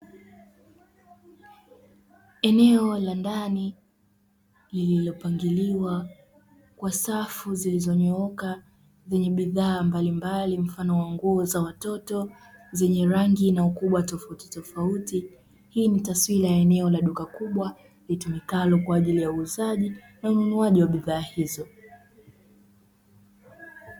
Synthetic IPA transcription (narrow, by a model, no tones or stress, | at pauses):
ɛnɛɔlandani | lililɔpaŋɡiliwa | kwasafuzilizɔɲɔɔka | zɛɲɛɓiðaːmbalimbalim̩fanɔwaŋɡuɔzawatɔtɔ | zɛɲɛɾaŋɡinaukuɓwatɔfauti̥tɔfauti | hiːnitaswilajaɛnɛɔlaɗukakuɓwa | litumikalɔkwaːʄilijauːzaʄi | naununuaʄiwaɓiðaːhizɔ